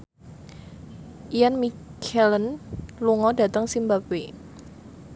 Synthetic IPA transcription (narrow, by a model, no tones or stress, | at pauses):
ʔijanmikʰɛlənluŋɔda̤t̪əŋsimbape